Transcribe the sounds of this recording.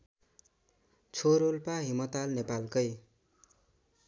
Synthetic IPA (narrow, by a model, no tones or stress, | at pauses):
t͡sʰoɾolpaɦimʌt̪alnepalkʌj